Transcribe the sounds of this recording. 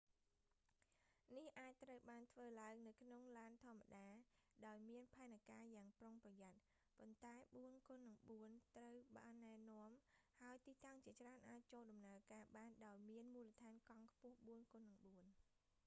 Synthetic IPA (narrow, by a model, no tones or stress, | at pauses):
nihʔaːc̚t̪rəwɓaːnt̪ʰʋəːlaəŋnɨwkʰnoŋlaːnt̪ʰŏəmːaɗaːɗaɔjmiənpʰaɛnakaːjaːŋproŋprɑjat̪̚ | pont̪aɛɓuənkonːɨŋɓuənt̪rəwɓa̰nːaɛnŏəmhaəjt̪iːt̪aŋt͡ɕiət͡ɕraənʔaːc̚t͡ɕoːlɗɑmnaəkaːɓaːnɗaɔjmiənmuːlət̪ʰaːnkɑŋkʰpʊ̆əhɓuənkŏnːɨŋɓuən